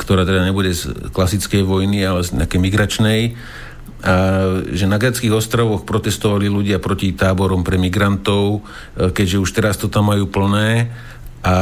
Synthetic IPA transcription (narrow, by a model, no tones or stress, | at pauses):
kt̪ɔɾaːt̪ɛd̪aɲɛbuɟɛzklasit͡skɛjʋɔjnialɛzɲɛ̰akɛjmiɡɾat͡ʃnɛj | aʒɛnaɡɾɛt͡skiːɣɔst̪ɾaʋɔxpɾɔt̪ɛst̪ɔʋaliluɟɪapɾɔcit̪aːbɔɾɔmpɾɛmiɡɾant̪ɔʊ | kɛɟʒɛuʃt̪ɛɾast̪ɔt̪amːajuːpl̩nɛː | ʔa